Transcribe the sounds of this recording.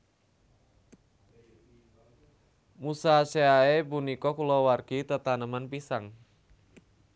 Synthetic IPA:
musaseaebunikɔkulɔwarɡit̪ət̪anəmanpisaŋ

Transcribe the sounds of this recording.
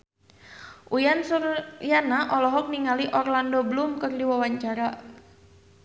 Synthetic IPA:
ʔujansurjanaʔɔlɔɦɔk̚niŋaliʔɔrlandɔbəlumkərdiwawaɲt͡ʃaɾa

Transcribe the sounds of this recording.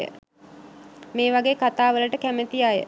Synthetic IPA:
ə̰ | meːʋaɡeːkat̪aːʋələʈəkæmət̪ijajə̰

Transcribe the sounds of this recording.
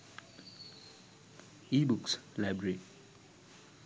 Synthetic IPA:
ibukslajbɹəɹi

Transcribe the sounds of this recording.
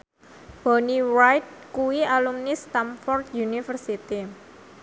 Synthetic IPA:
b̥ɔniwajt̪̚kuwialumnist̪amfɔrd̪junifərsit̪i

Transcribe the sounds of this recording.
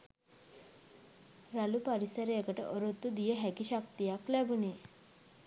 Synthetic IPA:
ɾalupaɾisəɾjɛkəʈə̰ʔɔɾot̪ːud̪ijəɦɛkiɕak̚t̪ijaklɛbune

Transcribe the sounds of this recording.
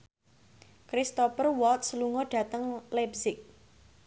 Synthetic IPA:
kɾist̪ɔpərwɔlt̪̚sluŋɔɖ̥ä̤t̪əŋlɛbsɪk̚

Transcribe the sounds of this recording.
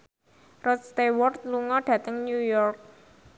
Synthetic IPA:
rɔt̪̚st̪ewɔrt̪̚luŋɔɖ̥ä̤t̪əŋnjujɔrk̚

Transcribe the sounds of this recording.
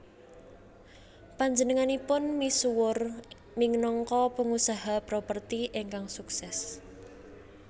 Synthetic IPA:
paɲd͡ʒənəŋanipʊnmisuwʊr | nɪŋnɔŋkɔpəŋusaɦapɾopərt̪iʔeŋkaŋsuksɛs

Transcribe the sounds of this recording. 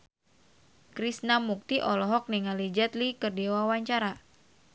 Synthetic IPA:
kɾisnamuk̚t̪iʔɔlɔɦɔk̚niŋalid͡ʒɛt̪likərdiwawaɲt͡ʃaɾa

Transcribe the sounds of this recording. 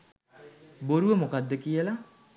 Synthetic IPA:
boɾuʋəmokad̪ːəkijəla

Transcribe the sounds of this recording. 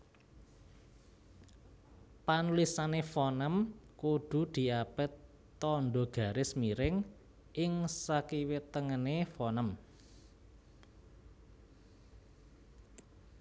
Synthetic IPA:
panulisanefɔnəmkud̪̥ṳd̪̥i̤ab̥ə̤t̪ː | ɔnɖɔɡ̥a̤ɾɪsmiɾɪŋ | ʔɪŋsakiwɪt̪əŋənefɔnəm

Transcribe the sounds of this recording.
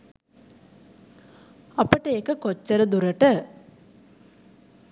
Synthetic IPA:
ɐpːɐʈeːkɐkot͡ʃːɐɾɐd̪uɾɐʈə

